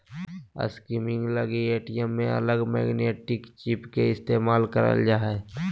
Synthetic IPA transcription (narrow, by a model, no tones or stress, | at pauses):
ə̰skimɪ̃ŋɡləɡieːʈijəmːẽə̰ləɡmɛ̰ːɡneːʈɪkt͡ʃipkeɪst̪eːmaːlkəɾə̰ld͡ʒaːɦɛ